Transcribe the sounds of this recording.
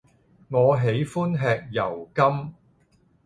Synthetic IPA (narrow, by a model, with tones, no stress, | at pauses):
ŋɔː˨˧ɦe˨˥jfuː˥nɦɛː˨˧k̚jɐ˨˩wkɐ˥m